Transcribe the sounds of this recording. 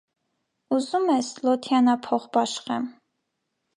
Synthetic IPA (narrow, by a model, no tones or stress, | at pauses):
uzumɛslɔt̪ʰjɑnɑpʰɔχbɑʃχɛm